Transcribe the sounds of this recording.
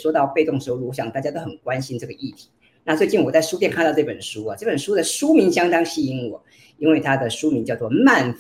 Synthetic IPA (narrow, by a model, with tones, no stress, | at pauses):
ʂwɔ˥t̪ɑ˥˧ʊpe˥˧t̪ʊ˥˩ŋʂɻ̩˧˥˩u˧˥ɕjɑ˨˩ŋt̪a˥˩t͡ɕja˥t̪o˥ʊxə˨˩nkwa˦nɕi˥nʈ͡ʂɤ˥˩ɡə˩ʔi˥˩t̪ʰi̥˧˥ | na˥˧t͡swe˥˧ɪt͡ɕi˥˩nwɔ˨˩t͡sa˥˩ɪʂu˥t̪̬jnkʰa˥˧nt̪ɑ˥˧ʊʈ͡ʂɤ˥˩pə˨˩nʂu˥ɐ˨˦ʈ͡ʂɤ˥˩pə˨˩nʂu˥d̪ə˨ʂu˥mi˧˥nɕjɑ˥ŋt̪ɑ˥ŋɕi˥˩i˥nwɔ˨˩˦ | i˥nwe˥˩ɪt̪ʰa˥d̪ə˨ʂu˥mi˧˥nt͡ɕjɑ˥˧ʊt͡swɔ˥˧ma˥˩nf